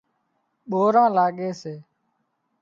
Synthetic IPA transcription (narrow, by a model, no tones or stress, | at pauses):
ɓoːɾãːlaːɠeːseː